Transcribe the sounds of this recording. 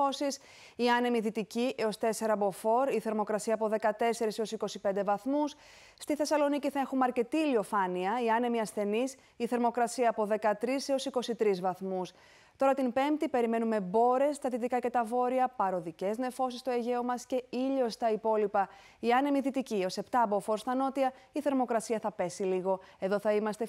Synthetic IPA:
o̞sis | iɐne̞miðit̪iciʔeost̪e̞se̞ɾɐbo̞fo̞ɾiθe̞ɾmo̞kɾɐsiɐːpo̞ðe̞kɐt̪e̞se̞ɾisio̞siko̞sipe̞nd̪e̞vɐθmus | st̪iθe̞sɐlo̞niciθɐe̞xumɐɾce̞t̪ilio̞fɐniɐiɐne̞miɐsθe̞nis | iθe̞ɾmo̞kɾɐsiɐːpo̞ðe̞kɐt̪ɾiseo̞siko̞sit̪ɾizvɐθmus | t̪o̞ɾɐt̪impe̞mpt̪ipe̞ɾime̞nume̞bo̞ɾe̞st̪ɐðit̪ikɐce̞t̪ɐvo̞ɾiɐpɐɾo̞ðice̞zne̞fo̞sist̪o̞e̞ʝe̞omɐsce̞iʎo̞st̪ɐipo̞lipɐ | iɐne̞miðit̪icio̞se̞pt̪ɐbofo̞ɾst̪ɐno̞t̪iɐ | iθe̞ɾmo̞kɾɐsiɐθɐpe̞siliɣo̞e̞ðo̞θɐimɐst̪e̞

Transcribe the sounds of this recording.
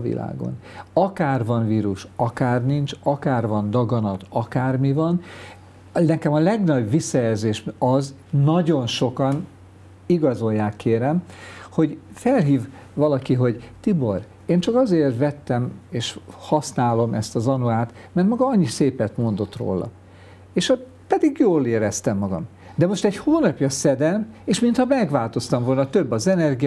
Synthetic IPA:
vḭla̰ːɡo̰nɒkaːrvɒnviːɾuʃɒkaːrnint͡ʃɒkaːrvɒnd̪ɒɡɒnɒt̪ɒkaːrmivɒn | nɛkɛmɒlɛɡnɒɟʋisːɒjɛlzeːʃɒz | nɒɟo̞nʃo̞kɒn | iɡɒzo̞jːaːkːeːɾɛmho̞ɟfɛlɦiːv | ʋɒlɒkiɦo̞ɟt̪ibo̞r | eːnt͡ʃɒkɒzeːrt̪vɛt̪ːɛmeːʃhɒsnaːlo̞mɛst̪ɒzɒnuaːt̪mɛrt̪mɒɡɒɒɲːiseːpɛt̪mo̞nd̪o̞t̪ro̰ːlɒ̰ | eːʃot̪ | pɛd̪iɡjoːleːɾɛst̪ɛmːɒɡɒ̰m | d̪ɛmo̞ʃt̪ɛɟhoːnɒpjɒsɛd̪ɛmeːʃmint̪hɒmɛɡvaːlt̪o̞st̪ɒɱvo̞lnɒt̪øbːɒzɛnɛrɡi

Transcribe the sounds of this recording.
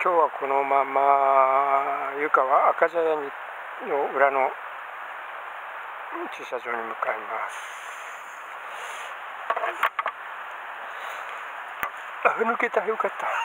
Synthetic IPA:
kʲjoːwakʰonomama | jɯkawaːkad͡ʒajaɲi | nouɾano | t͡ʃisazoɲimɯkaembaɾ | aɦɯnuket̪ahiukat̪ḁ

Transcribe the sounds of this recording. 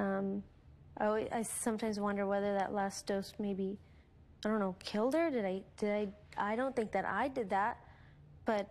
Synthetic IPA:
ʌ̃m | ʔlˠwiza̰ɪsʌ̃mtʰãɪ̃mzwʌ̃ndə˞wɛðə˞ðə̰ʔlæsd̥oʊst̚meɪbi | aɪɾõʊ̃nːoʊkʰɪlˠd̚ə˞dɨɾaɪd̥ɨɾaɪa̰ɪɾõʊ̃nθɪ̃ŋk̚ðɨɾʔa̰ɪdɨd̪̚ðæt̚ | b̥ʌt̚

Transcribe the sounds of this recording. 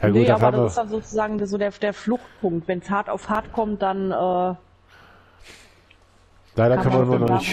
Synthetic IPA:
jaɡuːt̚ːdabhaːmavsd̥anzoːt͡suzaːɡŋ̩dzoːdeːɐd̥eːɐflʊxt̚pʰʊŋk̚tv̥ɛnshaɐta̰ʊfhaɐtkʰɔmt̚d̥anʔɛː | laɪɾɐkʰœnvɐɪmɐnɔnɪç

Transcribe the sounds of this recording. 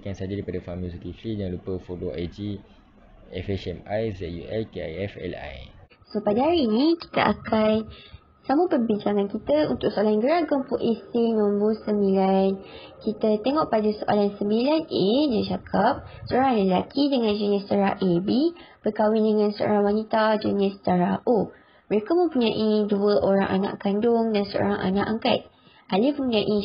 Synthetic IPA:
kansad͡ʒadipadafamusikiflijaŋlupəfoloa̰jd͡ʒi | ɛfɛsɛmajzɛt̪̚jṵʔɛlkea̰jɛfɛ̰la̰j | sopadəɦaɾinĩki̥t̪a̰ʔa̰kʰan | samupərbiɲt͡ʃaŋãnkit̪aunt̪ʊʔ̚soalanɡəɾaɡɔmpuʔesinɔ̃mbosəmbilan | kit̪at̪eŋɔʔpadasoʔa̰lansəmbilanedat͡ʃakʰap̚səoɾaŋləlakʰidəŋãnd͡ʒənɪstaɾaʔebib̥ərkawɪndəŋãnsəʔo̰ɾaŋwanit̪ad͡ʒənɪst̪aɾaʔo | məɾekamə̃mpuɲaʔiduəʔoɾã̰ŋʔa̰na̰ʔkandʊŋdansəo̰ɾaŋʔa̰naʔaŋka̰t̪̚ | ʔalɪfmə̃mpuɲaʔi

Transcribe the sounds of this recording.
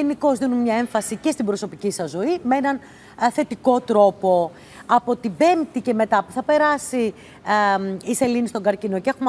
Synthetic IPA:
eniko̞zðinummɲɐe̞ɱfɐsice̞st̪ibɾo̞so̞picisɐzːo̞imeenɐn | θe̞t̪iko̞t̪ɾo̞po̞ | ɐpo̞t̪ibe̞mt̪ice̞me̞t̪ɐpuθɐpe̞ɾɐsi | ise̞linist̪oŋɡɐɾcino̞cee̞xum

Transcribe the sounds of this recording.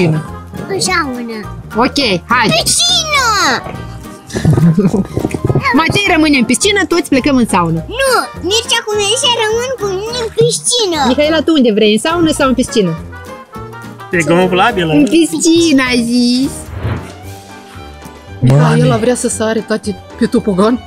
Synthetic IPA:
inəɨnsaunəokʲejhajɾit͡ʃinə | mat̪ejrəmɨneɨmpist͡ʃinət̪o̞t̪sʲple̞kəmɨnsaunənumert͡ʃakumezit͡ʃaɾəmɨnkuminemkɾiʃt͡ʃinəmixaelat̪uund̪e̞vɾejɨnsaunəsawɨnpist͡ʃinə | eɡlovlabilɨnpist͡ʃinazisʲ | ajelavɾeasəsaɾet̪at̪e | pet̪upuɡan

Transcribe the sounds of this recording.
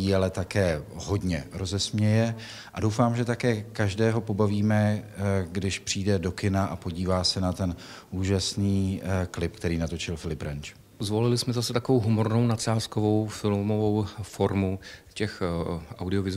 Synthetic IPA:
iɛlɛt̪akɛːɦo̞dɲɛ̰ɾo̞zɛsmɲɛjɛ | ʔadowfaːmʒɛt̪akɛːkaʒdɛːɦo̞po̞baviːmɛɡdɪʃpr̥iːdɛdo̞kɪnaʔapo̞ɟiːvaːsɛnat̪ɛn | ʔuːʒasniːklɪp̚kt̪ɛɾiːnat̪o̞t͡ʃɪlfɪlɪpɾant͡ʃ | zvolɪlɪsmɛzasɛt̪akovowɦumo̞ɾno̞wnat͡ʃaːskovo̞wfɪlmovowfo̞ɾmucɛxʔawdɪovɪz

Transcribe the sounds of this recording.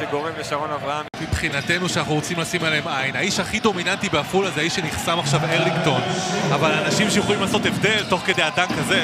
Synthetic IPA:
eɡo̞ʁemleʃaʁo̞navʁaanmipχinat̪e̞nuʃeanaχnuʁot͡simlasimaleemajnaiʃaχid̪o̞minant̪ibeafulazeaiʃeniχsamaχʃaveʁlikt̪o̞navalaːnaʃimʃejeχo̞limlaːso̞t̪evd̪e̞lt̪o̞χke̞d̪ead̪ankaze̞

